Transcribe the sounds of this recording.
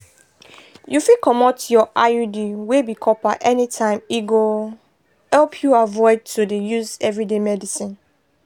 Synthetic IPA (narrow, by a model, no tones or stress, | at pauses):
jufikɔmotjɔʔajudiwebikʰɔpaʔɛnitʰãɪ̃miɡo | hɛlpʰjuavɔɪd̚tʰudejuzɛvɹidemɛdisĩn